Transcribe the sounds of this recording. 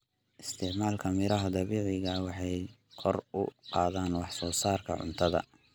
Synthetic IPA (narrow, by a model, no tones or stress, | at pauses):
ʔɪst̪ʰɪʕmaːlkʰɐmɪɾɐɦɐd̪ɑβiːʕɪɣɐwɑħɑj | kʰɔrʊ̰qɑːðaːnwɑħsɔːsaːrkʰɐ̰ʕʊ̰nt̪ʰɐðɐ̰